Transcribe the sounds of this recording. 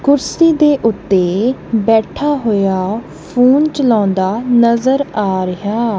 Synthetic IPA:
kʊɾsiːd̪eːʔʊt̪ːeːbɛːʈʰaːɦoːjaː | pʰuːnt͡ʃəlãːnd̪aːnəzəɾaːɾəɦaː

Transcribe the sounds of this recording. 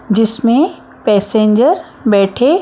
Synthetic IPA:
d͡ʑɪsmẽ | pɛːsẽːɲd͡ʑəɾ | bɛːʈʰe

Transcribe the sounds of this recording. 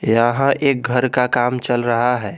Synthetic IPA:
jəɦãʔeːk̚ɡʱəɾkakamt͡ʃəlɾəɦaɦɛː

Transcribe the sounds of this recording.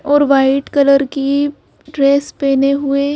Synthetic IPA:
ɔːɾʋaːɪʈkɐləɾki | ɖɾeːspeːneɦʊe

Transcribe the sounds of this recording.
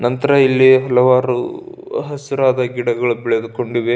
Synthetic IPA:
nɐnt̪ɐɾɐilːiɦɐlɐʋaːɾṵ | ɦɐsiɾaːd̪ɐɡiɽɐɡɐɭubɛɭɐd̪uko̞ɳɖiʋe

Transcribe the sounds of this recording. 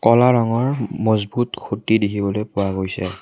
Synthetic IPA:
kɔlaɹɔŋɔɹmɔzbutkʰutidikʰibɔlojpʊaɡojsɛ̰

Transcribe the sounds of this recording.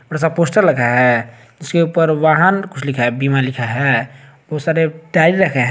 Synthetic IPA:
bəɽasaposʈəɾləkʰaɦɛ | d͡ʒiskeupəɾʋaɦənkut͡ʃʰlikʰaɦɛbimalikʰaɦɛ | bosaɾeɖaɾiɾəkʰɛɦ

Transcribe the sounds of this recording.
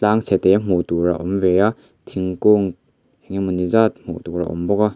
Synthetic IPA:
t͡ɬaŋt͡sʰɛt̪ejam̥utuɾa̰ʔɔmveja | t̪ʰiŋkɔŋ | ɛŋimunizat̪̚m̥ṵtuɾa̰ʔɔ̰mbɔka

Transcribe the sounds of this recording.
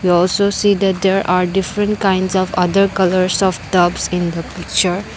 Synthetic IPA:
wiɔlsosid̪æʈ̚d̪eɾʔaɾɖifɾɛ̃nʈkãj̃nɖsɔfɐd̪əɾkʌləɾsɔft̪ʌbsĩnd̪əpik̚t͡ʃəɾ

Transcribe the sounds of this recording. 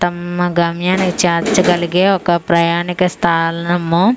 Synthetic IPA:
t̪ɐmɐɡɐmjaːnɐkt͡ʃaɾt͡ʃɐɡɐlɡeːokɐpɾɐjaːnikɐst̪ʰaːlnɐmːu

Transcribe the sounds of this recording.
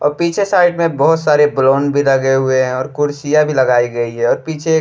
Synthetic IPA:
ɔ̰ːɾpiːt͡ʃʰesaːɪɖmẽbəɦʊt̪saːɾebloːnbʱilɐɡeɦʊeɦɛ̃ɔːɾkʊɾsijabʱilɐɡaːiɡəiɦɛɔːɾpiːt͡ʃʰe

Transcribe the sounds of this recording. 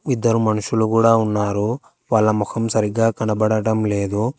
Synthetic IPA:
id̪ːɐɾumɐnuʃulukuːɽaːunːaːɾu | ʋɐlːɐmukʰɐmsɐɾiɡaːkɐɳɐbɐɽɐʈɐmleːd̪u

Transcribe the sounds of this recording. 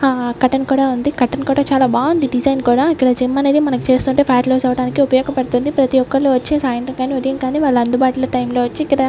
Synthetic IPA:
aːkɐʈɐnkuːɽaːund̪ikɐʈːɐnkuːɽaːt͡ʃaːlaːbaːund̪iɖid͡ʒɐjnkuːɽaːikːɐɽɐd͡ʒimːɐne̞ːd̪imɐnɐku̥t͡ʃe̞ːst̪uːɳʈeːpʰjaːʈloːt͡ʃɛːʋɐɽaːnikiupɐjɔːɡɐpɐɽut̪und̪ipɾɐt̪iʋɔkːɐɭloːʋɐt͡ʃːesaːjɐnt̪ɾɐŋɡaːniʋoɾijɐŋkaːniʋaːɭːɐɐnd̪ubaːʈulɐʈɐjmlo̞ːʋɐt͡ʃːikːɐɽɐ

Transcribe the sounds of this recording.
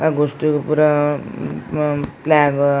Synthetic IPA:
aɡosʈupuɾa | plaɡ

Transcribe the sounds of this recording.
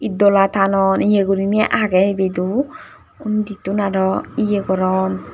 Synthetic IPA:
idɔlat̪ʰanɔnijeɡuɾimɛʔaɡɛibed̪u | undit̪unaɾɔijeɡɔɾɔn

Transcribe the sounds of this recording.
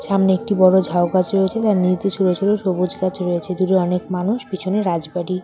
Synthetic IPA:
ʃamneek̚ʈibɔɽod͡ʑʱaokat͡ɕɾojet͡ɕʰet̪anid͡ʑd̪eʃɾoet͡ɕʰeloʃobod͡ʑkat͡ɕɾoet͡ɕʰed̪uɾeɔnekmanuʃpit͡ɕʰuneɾad͡ʑbaʈi

